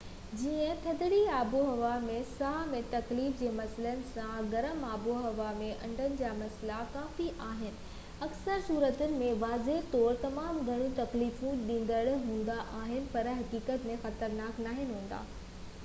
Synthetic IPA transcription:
d͡ʑiːə̃t̪ʰɐd̪ɪɽiaːboɦɐʋamẽsaːɦmẽt̪ɐkliːfd͡ʑeːmɐslənɪ̆sãɡɐɾəmaːboɦɐʋamẽʔɐ̰̃ɳɖʱənɪ̆d͡ʑaːmɐslakaːfiʔaːɦɪnɪ̆ | ɐksəɾsuːɾət̪ʊnɪ̆mẽʋaːzeɦt̪ɔːɾt̪ɐmaːmɡʱɐɽ̃jũt̪ɐkliːfũɗĩːn̆d̪əɽɦũːn̆d̪aʔaːɦɪnɪ̆pɐɾɦɐkiːkət̪mẽxɐt̪əɾnaːknaːɦɪnɦũːn̆d̪a̰ː

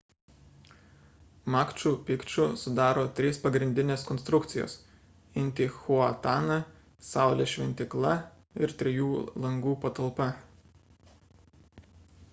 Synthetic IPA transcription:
mɑːkt͡ʃʲuːpʲɪkt͡ʃʲʊsʊd̪ɑːɾoːt̪ʲɾʲiːspɐɡɾʲɪnʲd̪ʲɪnʲeːskɔnst̪ɾʊkt̪sʲɪjo̰ːs | ɪnʲˑt̪ʲɪːxuɐt̪ɑːnɑ | sɑˑʊlʲeːʃʲʋʲɛnʲt̪ʲɪklˠɐ | ɪɾt̪ʲɾʲɛjuːlˠɐŋɡuːpɐt̪ɐlˠpɐ

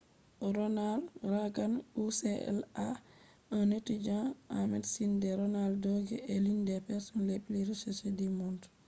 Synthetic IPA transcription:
ɾɔnalraɡanusɛɛ̰la | ɔnətːid͡ʒãʔamɛdsindɛɾɔnaldɔɡɛelindɛpɛsɔnleɓiliɾsɛsedimɔnt

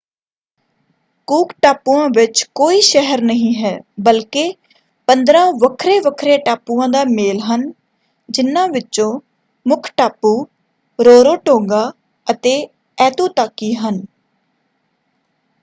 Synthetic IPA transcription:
kuːkʈaːpuːãːʋɪt͡ʃkoːiːʃɛɦəɾnəɦĩːɦɛːbəlkeː | pənd̪ɾãːʋəkʰɾeːʋəkʰɾeːʈaːpuːãːd̪aːmeːlɦən | d͡ʒɪnːãːʋɪt͡ʃõː | mʊkʰʈaːpːuː | ɾoːɾoːʈoːɡaː | ət̪eː | ɛːt̪uːt̪aːkiːɦən

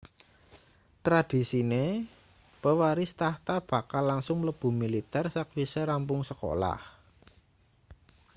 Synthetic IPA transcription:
t̪ɾad̪̥i̤sine | pəwaɾɪst̪aht̪ab̥a̤kalːaŋsʊŋləb̥ṳmilit̪ɛrsak̚wiseɾampʊŋsəko̰la̰h

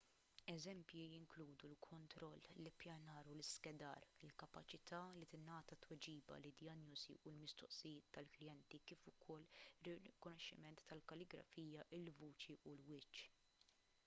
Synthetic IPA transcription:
ɛzɛmpjijɪŋkluːd̪ulkʰɔnt̪ɾɔlːɪpjɐnɐːɾulɪskɛd̪ɐ̰ːɾɪlkɐpɐt͡ʃɪt̪ʰɐːlit̪ɪnɐːt̪ɐt̪wɛd͡ʒiːbɐ̰lɪd̪jɐnjuzḭʔulmɪst̪ɔʔsɪjɪːt̪ːɐlklɪjɛnt̪ikiːfʊkʰɔlːɪrɪkɔnɔʃːɪ̰mɛnt̪ʰːɐlkɐlɪɡɾɐ̰fiːjɐʔɪlvuːt͡ʃiʔulwɪt͡ʃː

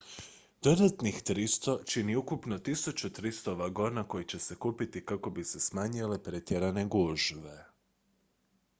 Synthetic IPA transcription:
d̪̥o̞d̪at̪nixt̪ɾist̪o̞t͡ʃiniukupno̞t̪isut͡ɕut̪ɾist̪o̞ʋaɡo̞nako̞jit͡ɕe̞se̞kuːpit̪ikako̞bise̞smaɲile̞pɾe̞t̪jeɾane̞ɡuʒʋe̞

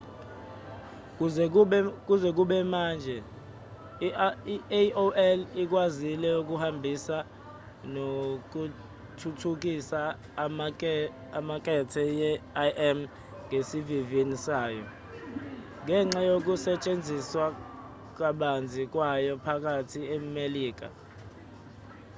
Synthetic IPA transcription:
k̬zk̬uzɛk̬uɓɛmaːnd͡ʒʱɛ | ioɛlik̬wazilɛuk̬uhambʱisa | nok̬u | tʰutʰuk̬isa | maː | mak̬ʼɛtʰɛjɛaʔɛm | ŋesivivinisaːjɔ̰ | ŋʱɛŋ͡ǁajok̬usɛt͡ʃʼend͡zʱiswa | k̬aɓand͡zʱik̬wajɔpʰak̬ʼatʰiemeliːk̬a̰

